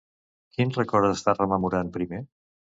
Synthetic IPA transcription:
kinrəkɔɾtəst̪arəməmuɾanpɾime

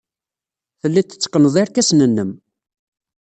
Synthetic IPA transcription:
θəlːit̪ːə̥t͡sːqːənəðˤiɾkæsnənːəm

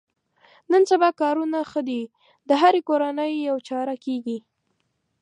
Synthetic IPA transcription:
nənsabɑkɑɾunaxəd̪i | d̪əɦaɾekoɾanəjːawt͡ʃɑɾakeɡi

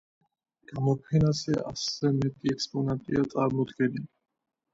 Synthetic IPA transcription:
ɡ̥amɔpʰɛnasɛa̰sɛmɛt̪ʼiɛkspʼɔnant̪ʼiat̪sʼaɾmɔd̪ɡɛni

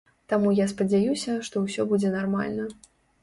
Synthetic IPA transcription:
t̪amujaspɐd͡zʲajusʲɐʂt̪ɔwsʲɔbud͡zʲɛnarma̰lʲnɐ

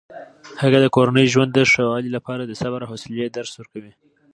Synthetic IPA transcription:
həɣad̪əkoɾanəjʒwand̪ːəʂawɑlilapɑɾad̪əsabaɾaɦosɪljad̪aɾswəɾkawi

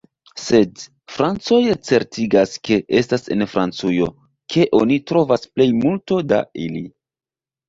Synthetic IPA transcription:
se̞d | fɾant͡so̞jat͡se̞ɾtʰiɡaske̞ʔe̞stase̞̰nfɾant͡sujo̞ | kʰe̞ʔo̞nitɾo̞vasple̞jmulto̞da̰ili

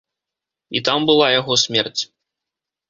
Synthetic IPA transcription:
it̪ambɨlˠajaɣɔsʲmʲɛrt͡sʲ

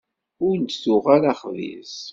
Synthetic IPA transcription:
ʊɾnt̪θʊʁaɾaχvḭs

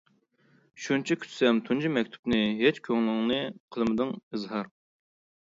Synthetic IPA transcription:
ʃunt͡ʃʰɛkʲʰy̥t̪sɛmt̪ʰund͡ʒimɛkʲt̪ʰu̥pnɨɦet͡ʃkʲʰøŋlɪŋnɨqʰəlˠmɨd̪ɨŋɨzɦɑɾ

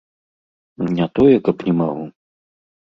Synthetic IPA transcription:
nʲat̪ɔjɛkɐpnʲɛmaɣu

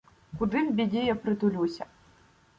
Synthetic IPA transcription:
kʊd̪ɪwbʲidʲijapɾɪt̪ʊlʲusʲɐ

